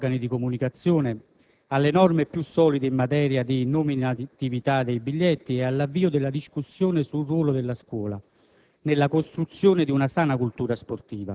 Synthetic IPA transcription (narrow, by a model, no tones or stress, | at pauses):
ɡanid̪ikomunikat̪sːjoːnɪ | alːenɔrmepjusːɔːlid̪ɪimːat̪ɛːɾjad̪inʊminat̪ivit̪ad̪ejbiʎːɛt̪ːiealːavːiːʊd̪ɪlːad̪iskusːjoːnɪsulrwɔːlʊd̪ɪlːaskwɔːla | nɪlːakost̪ɾut̪sːjoːnɪd̪iunasaːnakult̪uːɾasport̪iːva